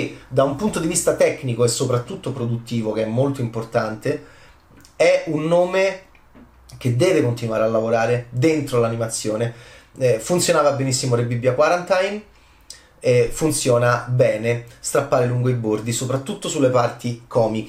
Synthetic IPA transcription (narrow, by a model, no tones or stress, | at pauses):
d̪aumpunt̪od̪ivist̪at̪ɛkːnikoesːopɾat̪ːut̪ːopɾod̪ut̪ːiːvokeɛmːolt̪oimport̪ant̪e | ɛunːoːme | k̟ed̪ːɛːvekont̪inwaːɾealːavoɾaːɾed̪ent̪ɾolanimat̪sːjoːneɛfunt̪sjonaːvabenisːimoɾebibːjakwaɾant̪ajn | ɛfunt̪sjɔːnabɛːnest̪ɾapːaːɾeluŋɡoibord̪isopɾat̪ːut̪ːosulːepart̪ikʰɔːmik